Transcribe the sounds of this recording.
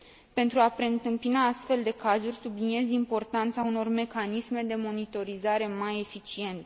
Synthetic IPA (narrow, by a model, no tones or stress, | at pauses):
pe̞nt̪ɾuapɾe̞ɨnt̪ɨmpinaast̪fe̞ld̪e̞kazurʲsublinie̞zimpo̞rt̪ant̪sauno̞rme̞kanisme̞d̪e̞mo̞nit̪o̞ɾizaɾe̞maje̞fit͡ʃie̞nt̪e̥